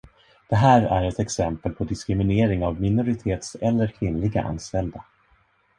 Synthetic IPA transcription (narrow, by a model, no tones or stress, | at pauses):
d̪̥ɛɦæːɾæɾɛt̪ɛksɛmpəlpʰɔd̪ɪskɾɪmɪneːɾɪŋavmɪnʊɾɪt̪ʰeːt̪sɛlːəɾkʰvɪnlɪɡa̰ʔa̰nːst̪ɛld̪a